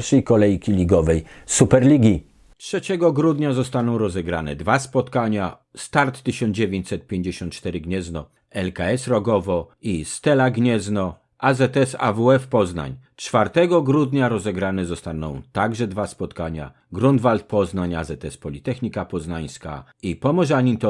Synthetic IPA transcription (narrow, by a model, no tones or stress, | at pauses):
ɾʂɛjkɔlɛjkʲilʲiɡɔvɛjsupɛɾlʲiɡʲi | tʂɛt͡ɕɛɡɔɡɾud̪ɲazɔst̪anɔ̃w̃ɾɔzɛɡɾanɛ̰d̪vaspɔt̪kaɲa | st̪aɾt̪ːɘɕɔnd͡ʑevʲjeɲt͡ɕʲsɛt̪̚pʲjeɲd͡ʑeɕɔ̃nt̪̚t͡ʂt̪ɛɾɘɡɲɛznɔ | ɛlkaɛsɾɔɡɔvɔist̪ɛlaɡɲɛznɔ | ʔazɛt̪ɛsa̰vuɛfpɔzna̰ɲtfaɾt̪ɛɡɔɡɾud̪ɲaɾɔzɛɡɾanɛzɔst̪anɔ̃w̃t̪aɡʐɛd̪vaspɔt̪kaɲa̰ | ɡɾund̪valt̪̚pɔznaɲa̰zɛt̪ɛspɔlʲit̪ɛxɲikapɔznaj̃ska̰ipɔmɔʐaɲint̪ɔ